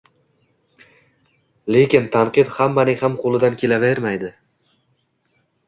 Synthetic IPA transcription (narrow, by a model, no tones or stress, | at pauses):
le̞kʲɪnt̪ʰanqɨd̪hamːanɪhamqʰolˠɪd̪ankʲʰe̞laveɾmajd̪ɪ